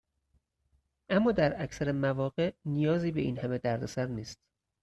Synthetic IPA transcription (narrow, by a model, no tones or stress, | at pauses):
ʔæmːɒːd̪æɾæcʰsæɾemævɒːɣe̞ʔnijɒːziːbe̞iːnhæme̞d̪æɾd̪osæɾniːst̪̚